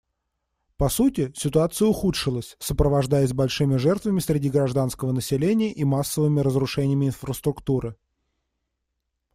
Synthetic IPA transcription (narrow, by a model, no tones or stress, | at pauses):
pɐsutʲɪsʲɪt̪ʊat̪sɨjəʊxutʂɨlˠəsʲsəpɾəvɐʐd̪ajɪsʲbɐlʲʂɨmʲɪʐɛrt̪vəmʲɪsʲɾʲɪdʲiɡɾɐʐd̪anskəvənəsʲɪlʲenʲɪjəʔimasːəvɨmʲɪɾəzɾʊʂɛnʲɪjəmʲɪɪnfɾəst̪ɾʊkt̪uɾɨ